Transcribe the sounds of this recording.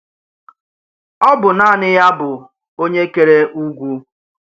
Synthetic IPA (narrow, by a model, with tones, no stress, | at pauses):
ɔ˦bʊ˨na˦˨nɪ˦ja˦bʊ˨ | o˦ɲe˦ke˨ɾe˦ʔu˦ɡʷu˦